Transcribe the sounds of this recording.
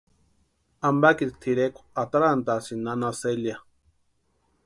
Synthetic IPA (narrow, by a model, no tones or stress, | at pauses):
ambakiɾt̪ʰiɾekʷat̪aɾant̪asinanaselja